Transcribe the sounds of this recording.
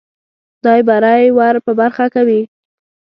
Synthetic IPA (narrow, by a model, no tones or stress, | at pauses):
d̪ɑjbaɾajwaɾpəbaɾxakawi